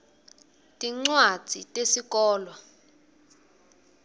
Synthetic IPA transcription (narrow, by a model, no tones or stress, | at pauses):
tʼiŋ͡ǀwḁz̥ʱitʼesikɔːlwa